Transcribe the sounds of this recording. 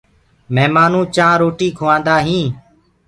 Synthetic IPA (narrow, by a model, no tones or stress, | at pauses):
mɛːmaːnũːt͡ʃãːɾoːʈiːkʰoːãːnd̪aːɦĩː